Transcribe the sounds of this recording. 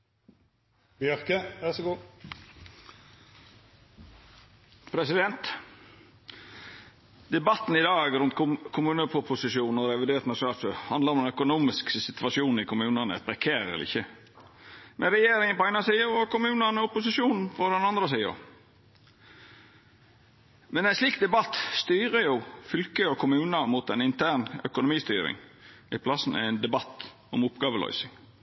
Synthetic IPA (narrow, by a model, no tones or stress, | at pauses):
bɪœɾkəʋæsɡuː | pʰɾɛsɪd̪ɛnt̪ | d̪ɛbɑt̪n̩ɪd̪ɑːɡɾʉnt̪kʰʊmʉːnəʊpʰʊsɪʃuːnɔɾɛʋɪd̪eːɾt̪nɑʂʊnɑːlføhɑnd̪əɾɔmɛnœkʊnuːmɪsksɪt̪ʋɑʂuːnɪkʰʊmʉːnənə̰t̪̚bɾɛkʰeːɾəɛ̰lɪ̰çːə | mʔɛɾɛjeːɾɪŋənpɔæɪnɑsiːəɾɔkʊmʉːnənəʊpʊsɪʂuːnpʰɔd̪ɛnɑnd̪ɾəsiːʊ̰ | mɛnæɛɪnsliːk̚d̪ɛbɑt̪ːst̪yːɾəjʊfʏlkəjʊkʰʊmʉːnəmuːt̪ɛnɪnt̪ʰæːɳœ̰kʊnʊmiːst̪yːɾɪ̰ŋɪpʰlɑsn̩ɛ̰ɪnd̪ɛbɑt̪ː | ɔmʊpɡɑːʋəlœ̰ʏsɪŋ